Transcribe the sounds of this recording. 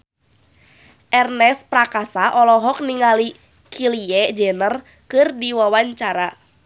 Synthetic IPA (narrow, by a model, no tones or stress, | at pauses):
ʔɛrnɛspɾakasaʔɔlɔɦɔk̚niŋali | kʰiliɛd͡ʒɛnər | kɨrdiwawaɲt͡ʃaɾa